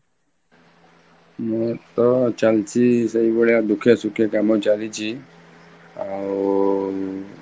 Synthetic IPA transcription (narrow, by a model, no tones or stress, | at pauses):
met̪ɔt͡ʃalt͡ʃisəɦibəɭjad̪ukʰesukʰekamɔ̃t͡ʃalit͡ʃʰi | a